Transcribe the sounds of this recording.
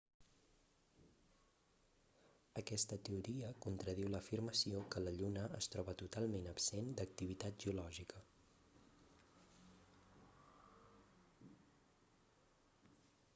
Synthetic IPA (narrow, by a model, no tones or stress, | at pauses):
əkɛst̪ət̪əuɾiəkunt̪ɾəðiwləfirməsiokələʎunəʔəst̪ɾɔβət̪ut̪alˠmenəbsend̪ək̚t̪iβ̞it̪at̪ʒiulɔʒikə